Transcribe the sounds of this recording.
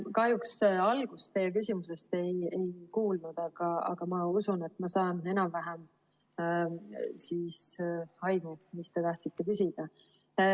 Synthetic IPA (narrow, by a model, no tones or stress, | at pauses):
kɑhjuksɑlɡ̥ust̪ejːek̬ysʲimuse̞st̪e̞je̞jkuːlnud̪̥ɑɡ̥ɑɑ̰ɡ̥ɑmɑusune̞t̪mɑsɑːne̞nɑmvæɦem | siːshɑjmumist̪e̞t̪ɑht̪sit̪ːekysʲid̪̥ɑ